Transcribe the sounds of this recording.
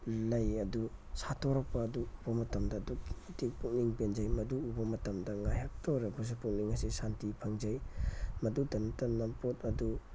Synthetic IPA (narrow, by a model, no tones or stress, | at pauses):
lɐjɐdusatʰoɾɐk̚pɐːduːbɐmɐtɐmdɐːduki̥tik̚pʰuŋniŋbenzɐjmɐduːbɐmɐtɐmdɐŋajɦak̚tʰoɾɐbus̬ipuŋniŋɐsisantipʰɐŋzɐjmɐdudɐnɐtɐnɐmpot̚ɐdu